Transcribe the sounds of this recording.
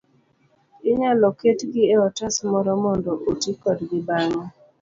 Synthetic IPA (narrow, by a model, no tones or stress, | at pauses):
ɪɲalɔketɡɪɛɔtasmɔɾɔmɔndɔʔotikɔdɡɪbaŋɔ